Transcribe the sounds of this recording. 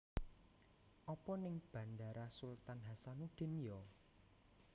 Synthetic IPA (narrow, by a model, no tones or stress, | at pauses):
ʔɔpɔnɪŋb̥ä̤nd̪a̤ɾasult̪anɦasanuɖ̪̥e̤njɔ